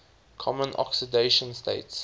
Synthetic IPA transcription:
kʰɔmə̃nʔɔ̰ksideɪʃə̃nstḛɪts

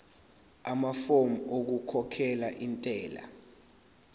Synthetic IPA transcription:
amafomok̬ukʰɔkʰɛlaʔintʼɛːla̰

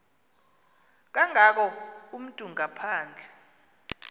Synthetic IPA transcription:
k̬aŋak̬ɔum̩tʼuŋapʰaːnd͡ɮʱɛ

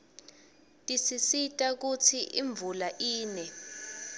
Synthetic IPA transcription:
tʼisisitʼak̬ut͡sʰiʔiɱb̪vulaʔiːnɛ

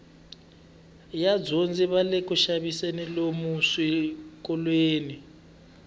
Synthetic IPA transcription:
jad͡zond͡ziβalekuʃaβisenilomusikʼɔlweːni

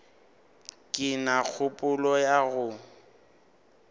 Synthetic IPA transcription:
kʼɪnak͡xʰʊpʼʊlɔjaɣʊ

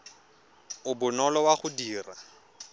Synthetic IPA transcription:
ʊbʊnɔlɔwaχʊdiːra

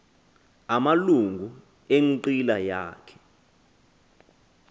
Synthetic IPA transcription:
amaluŋɡʱu | eŋǃilajaːkʰɛ̥

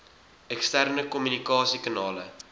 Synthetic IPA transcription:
ɛkstærnəkɔmynikɑːsikɑnɑːlə

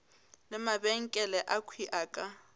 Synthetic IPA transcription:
lɪmabɛŋ̩kʼɛlɛʔakʰwiʔaːkʼa

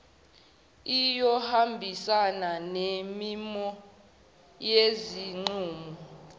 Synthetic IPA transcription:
ijɔhambʱisananemimɔ | jeziŋ͡ǀuːmɔ

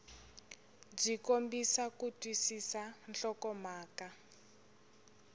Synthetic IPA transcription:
b͡ʐikombisakutwisisanɬɔkɔmaːka

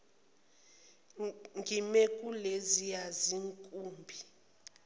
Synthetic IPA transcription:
ŋɡʱimɛkʼulezijaziŋkʼuːmbʱi

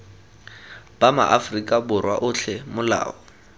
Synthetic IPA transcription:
b̥ama̰ʔafrikʼabʊrwaʔʊɬʰɛmʊla̰ːɔ

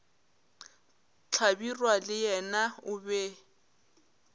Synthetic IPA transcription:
t͡ɬʰabirwalɪjɛnaʊbɛ

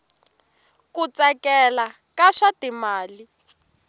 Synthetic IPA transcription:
kut͡sakɛla | kaʂatimaːli

